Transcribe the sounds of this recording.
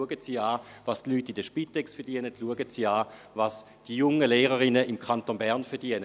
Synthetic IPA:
əɡətsiaːvastlyːtːidəʃpitɛksfɛɐʁd̥iənətluəɡətsiːaː | vaːs | d̥ijʊŋəleːʁəʁɪnəɪmkʰantonbɛɐʁnfɛʁd̥iənə

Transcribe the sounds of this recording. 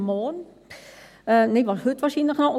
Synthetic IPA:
moːn | əneʋɔhytʋaːrsinləxnɔo

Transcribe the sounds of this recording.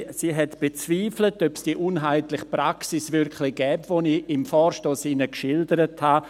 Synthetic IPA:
siːɦɛtb̥et͡sviːflətœpsd̥iːəʔunɦaɪtlɪχpɾaksɪsvɪɾkʰlɪɡ̥ɛːpvoniɪmfɔːɾʃtoːsɪnəkʃɪldəɾətha

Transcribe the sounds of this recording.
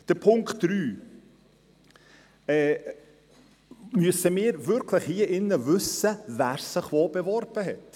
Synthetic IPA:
d̥əɾpʰʊŋktd̥ɾyː | ɛː | myəsəmɪːɾvʏɾkʰləχhiəʔɪnːəvɵsəvæːɾsəχvoːbevɔɾb̥əɦɛt

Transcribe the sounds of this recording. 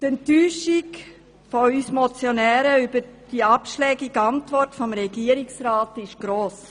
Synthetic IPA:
tɛntyːʃɪk | foysmɔt͡sjonɛːɾəybəɾd̥iɑpʃlɛːɡɪɡɑntʋɔrtfɔmɾɛɡ̥iəɾɪksɾɑːtɪʃɡ̥ɾoːs

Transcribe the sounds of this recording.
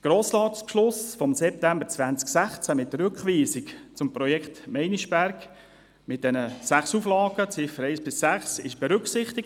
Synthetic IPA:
ɡ̥ɾoːslɑːtt͡spʃlʊsfɔmsɛp̚tæmbəɾt͡sʋænt͡sksæχt͡sæmɪt̚ːəɾʏkχʋiːsikt͡sʊmpɾɔjɛkχtmɛɪniʃb̥æɾɡ | mɪt̚d̥ɛnəsæχsuflɑːɡət͡sɪfəɾɛɪsb̥ɪsːæχsɪʃb̥ɛɾʏksɪχt̪ɪk̚

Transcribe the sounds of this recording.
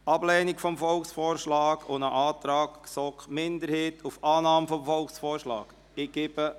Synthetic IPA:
ɑblɛːnikfɔmfɔlksfɔːɾʃlɑːkʰonəʔɑːtɾɑːkːsɔkmɪndəɾheːtufɑːnɑːmfɔmfɔlksfɔːɾʃlɑ̰ːɡ̥ | ɪɡ̥ebə

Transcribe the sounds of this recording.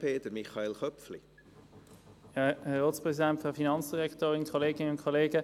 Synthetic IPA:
pʰeːtəɾmiχɑelχœpflḭ | jɑhɛʁoːtspʁɛsidɛntfɔfinɑnt͡ssd̥iʁɛktoːʁɪnkʰoleːɡɪnəʊnkʰoleːɡə

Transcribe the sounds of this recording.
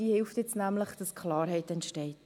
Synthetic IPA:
iəhɪlftjɛt͡snæmləχd̥ɑskʰlɑːɾɦɛɪtɛntʃtɛɪt

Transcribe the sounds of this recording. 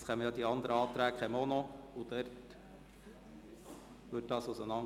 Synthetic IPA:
skʰɛmːəjɑːd̪iɑnd̪əɾəɑːt̪ɾæːkχɛmonoʊd̪ɛɾt | ʋɵt̚d̥ɑːsʊsənɑŋ

